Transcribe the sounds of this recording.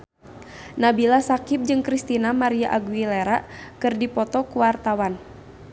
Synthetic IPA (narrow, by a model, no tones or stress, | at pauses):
nabilasakip̚d͡ʒɨŋkɾist̪inamaɾiaʔaɡwileɾakɨrdipɔt̪ɔkuwart̪awan